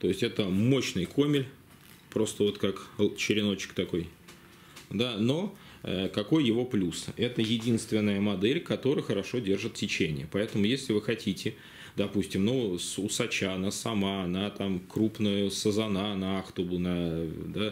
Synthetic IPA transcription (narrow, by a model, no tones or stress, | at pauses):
t̪o̞jɪsʲtʲɛt̪əmo̞ɕnɨjkʰo̞mʲɪlʲ | pɾo̞st̪əvo̞t̪kakt͡ɕɪɾʲɪno̞t͡ɕɪ̥kt̪ɐko̞j | d̪ano̞ | əkɐko̞jjɪvo̞plʲusɛt̪əjɪdʲinst̪vʲɪnːəjəmɐd̪ɛlʲkɐt̪o̞ɾɨjxəɾɐʂo̞dʲe̞rʐɨt̪tʲːɪt͡ɕenʲɪjəpɐɛt̪əmʊjesʲlʲɪvɨxɐtʲitʲɪ | d̪ɐpusʲtʲɪmnusʊsɐt͡ɕanasɐmanɐt̪amkɾupnʊjʊsəzɐnanɐaxt̪ʊbʊnɐd̪a